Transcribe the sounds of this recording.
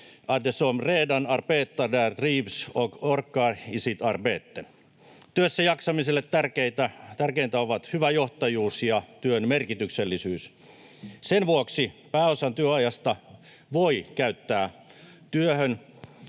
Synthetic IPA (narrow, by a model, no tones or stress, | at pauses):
ʔɑdesomreːdɑnɑrpeːt̪ːɑdært̪riːpsokorkːɑːisit̪ɑrpeːt̪ːen | t̪yøsːæjɑksɑmiselːet̪tærkeit̪æt̪ærkeint̪æoʋɑt̪hyʋæjoht̪ɑjuːsjɑt̪yønmerkit̪ykselːisyːs | senʋuoksipæːosɑnt̪yøɑjɑst̪ɑ | ʋoikæyt̪ːæː | t̪yøhøn